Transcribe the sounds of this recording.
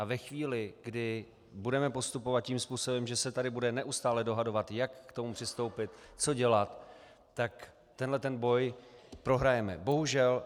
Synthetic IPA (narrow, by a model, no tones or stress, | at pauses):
avɛxviːlɪɡdɪ | budɛmɛpo̞st̪upovat̪̚ciːmspuːso̞bɛmʒɛsɛt̪adɪbudɛnɛʔust̪aːlɛdo̞ɦado̞vat̪jakːt̪omupr̥ɪst̪o̞wpɪt̪t͡so̞ɟɛlat̪ː | ak | t̪ɛnlɛt̪ɛnbo̞jpɾo̞ɦɾajɛmɛ̰bo̞ɦuʒɛl